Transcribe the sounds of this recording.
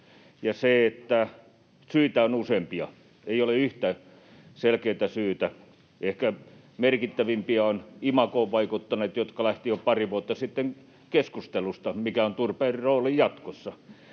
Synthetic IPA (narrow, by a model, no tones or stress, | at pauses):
jɑseet̪ːæ | syit̪æonusempiɑ̰ | eioleyht̪æ | selkeit̪æsyːt̪æ | ehkæ | merkit̪ːæʋimpiɑonimɑkoʋʋɑikut̪ːɑneːt̪jot̪kɑlæht̪ijopɑriʋuot̪ːɑsit̪ːeŋ | keskust̪elust̪ɑmikæont̪urpeːriroːlijjɑt̪kosːɑ